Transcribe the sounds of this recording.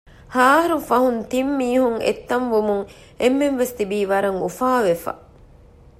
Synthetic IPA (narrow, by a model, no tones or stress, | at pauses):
haːɦɐɾufɐɦunt̪imːiːhuŋḛt̪ːɐmʋumuŋ | emːemʋest̪ibiːʋɐɾɐŋufaːʋefa̰